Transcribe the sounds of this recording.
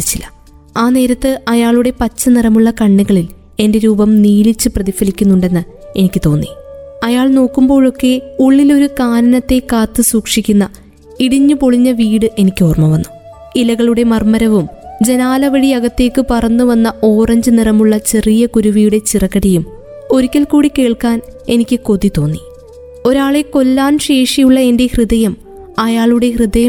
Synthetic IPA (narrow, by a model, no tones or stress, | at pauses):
t͡ɕːilːɐ | aːne̞ːɾɐt̪ːɨʔɐjaːɭuɽe̞pɐt͡ɕːɐnirɐmuɭːɐkɐɳːiɣɐɭil | e̞nde̞ɾuːbɐmniːlit͡ɕːɨprɐðifɐlikʲːunːuɳɖe̞nːɨ | e̞nikʲːɨt̪o̞ːnːiɐjaːɭno̞ːkːumbo̞ːɭo̞kːe̞uɭːilo̞ɾukaːnɐnɐt̪ːe̞kaːt̪ːɨsuːkʂikʲːunːɐ | iɽiɲːupo̞ɭiɲːɐʋiːɽɨʔe̞nikʲːɨoːrmɐʋɐnːu | ilɐɣɐɭuɽe̞mɐrmɐɾɐʋumd͡ʑe̞naːlɐʋɐɽiɐɣɐt̪ːe̞ːkːɨpɐrɐnːuʋɐnːɐo̞ːrɐɲd͡ʑɨnirɐmuɭːɐt͡ɕe̞rijɐkuɾuʋijuɽe̞t͡ɕirɐkːɐɽɐjum | o̞ɾukʲːɐlkuːɽike̞ːɭkaːne̞nikʲːɨko̞ðit̪o̞ːnːi | o̞ɾaːɭeko̞lːaːnɕe̞ːʂijuɭːɐe̞nde̞hrɨðɐjɐm | ɐjaːɭuɽe̞hrɨðɐjɐ